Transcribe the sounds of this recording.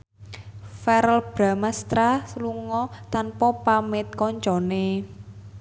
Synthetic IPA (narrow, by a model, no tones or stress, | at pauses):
fɛɾəlb̥ɾa̤mast̪ɾasluŋɔt̪anpɔpamɪt̪̚kɔɲt͡ʃɔne